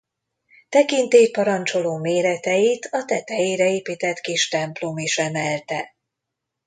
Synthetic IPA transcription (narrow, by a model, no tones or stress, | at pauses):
t̪ɛkint̪eːpɒɾɒnt͡ʃo̞loːmeːɾɛt̪ɛjit̪ʰɒt̪ɛt̪ɛjeːɾɛeːpiːt̪ɛt̪kiʃt̪ɛmplomiʃɛmɛlt̪ɛ